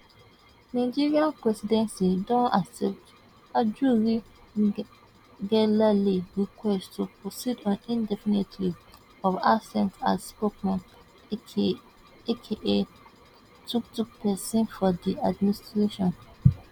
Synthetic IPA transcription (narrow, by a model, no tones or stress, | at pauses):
nãɪd͡ʒiɹiãnpɹɛsidɛ̃nsidɔ̃naksɛp̚t | ad͡ʒuɹi | ɡɛlaliɹikʰwɛsttʰupɹosidɔ̃nĩndɛfinitʰli | ɔvasɛ̃nta̰sspok̚mãn | ekʰeʔe | tuktuk̚pʰɛsĩnfɔdiadmĩnistɹeʃɔ̃n